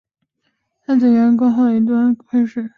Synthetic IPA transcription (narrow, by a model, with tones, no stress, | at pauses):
t̪ʰa˥t͡swɛ˨˩ɥɛ˧˥nko˥ʊxo˥˩ʊd̪ə˩i˧˥t̪wa˥˧nkʰwe˥ɪʂɻ̩˥˩